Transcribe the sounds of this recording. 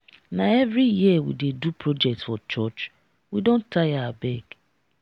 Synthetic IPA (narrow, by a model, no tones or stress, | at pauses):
naevɾijiawḭdedupʰɾod͡ʒɛk̚tsfɔt͡ʃɔt͡ʃ | widõntʰaɪawabɛɡ